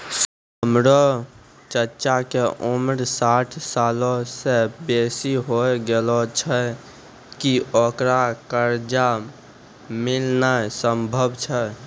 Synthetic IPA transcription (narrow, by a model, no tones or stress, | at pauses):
ɦəmɾɔ | t͡ʃəɾt͡ʃakeʔumɾsaʈʰsalɔ̃sebesiɦojɡelɔt͡ʃʰə | kiokɾakəɾd͡ʒa | milnasəmbʱəbt͡ʃʰə